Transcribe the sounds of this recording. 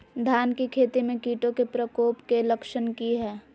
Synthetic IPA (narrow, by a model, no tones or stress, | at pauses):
d̪ʱaːnkikʰeːt̪imẽkiːʈõkepɾəkoːpkeləkʃənkiɦɛː